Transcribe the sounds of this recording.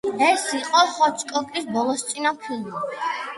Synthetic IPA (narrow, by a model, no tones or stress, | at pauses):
ɛsiqʼɔχɔt̪sʰkʼɔkʼisbɔlˠɔst̪sʼinapʰili